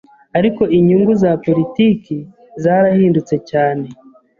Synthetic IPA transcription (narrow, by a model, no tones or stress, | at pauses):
aɾiko̞ʔiɲuŋɡuzapo̞ɾitiːki | zaɾahiːndut͡se̞caːne̞